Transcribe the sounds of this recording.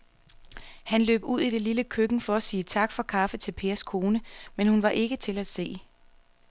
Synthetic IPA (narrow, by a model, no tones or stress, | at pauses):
hænlø̰ːb̥uð̰ˠiɾ̥e̝liləkʰøɡ̥n̩fɒ̽æsiːt͡sʰɑ̈ɡ̥fɒ̽kʰɑ̈fət͡sʰe̝lpʰe̝ːɐskʰo̝ːnəmenhunʋɑ̈ʔe̝ɡ̥ət͡sʰe̝læ̥se̝̰ː